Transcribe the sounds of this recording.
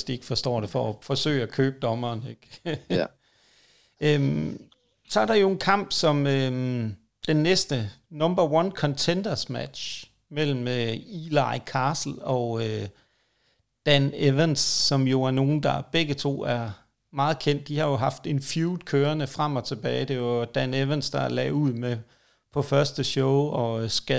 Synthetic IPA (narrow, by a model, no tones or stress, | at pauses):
sd̥ie̝ɡ̥fɒ̽sd̥ɒ̰ːɾe̝fɒ̽ːfɒ̽sø̰ːɪækʰøːb̥̚d̥ɒ̽mɐːneɡ̥ | m | sɒɐɾɑ̈jo̝e̝nkʰɑ̈m̰b̥sɒ̽mø | d̥enːesd̥ə | nɒ̽mbɐwɑnkʰɒ̽nt͡sʰend̥ɐsmæd̥ɕ | mel̰m̩øilɑɪkʰɑ̈ːsl̩ɒ̽ø | d̥æneʋənsːɒ̽mjo̝æɐno̝ːn̩d̥ɑ̈b̥eɡ̥ət͡sʰo̝̰ːæɐ | mɑ̈ːð̞̩ˠkʰen̰d̥̚d̥ihɑ̈jo̝ɦɑ̈fd̥e̝nfjuːd̥ˠkʰøːɐnəfʁam̰ɒ̽t͡sʰe̝b̥ɛːɪd̥e̝ʋɑd̥æneʋənsd̥ɑ̈lɛ̰uð̰ˠme | pʰɒ̽fɶɐsd̥əɕɔʊɒ̽sɡ̥æ